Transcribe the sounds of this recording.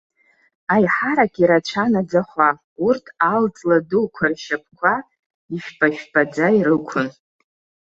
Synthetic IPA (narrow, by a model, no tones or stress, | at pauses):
ajħaɾakʲʼiɾat͡ʃʷʰanad͡zaχʷa | urtʰalt͡sʼladulkʷʰarʃap̚ʰʼkʷʰa | iʃᶣbʼaʃᶣbad͡zaiɾɨkʷʰʊn